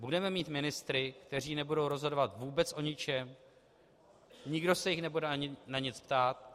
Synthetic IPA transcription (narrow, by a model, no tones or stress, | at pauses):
budɛmɛmiːt̪mɪnɪst̪ɾɪkt̪ɛr̝iːnɛbudowɾo̞zɦo̞dovat̪vuːbɛt͡sʔo̞ɲɪt͡ʃɛm | ɲɪɡdo̞sɛjɪxnɛbudɛaɲɪnaɲɪt͡spt̪aːt̪̚